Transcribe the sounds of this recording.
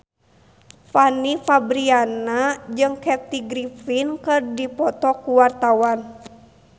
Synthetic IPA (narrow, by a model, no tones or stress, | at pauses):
fanifabɾianad͡ʒɨŋkɛt̪iɡɾifinkɨrdipɔt̪ɔkuwart̪awan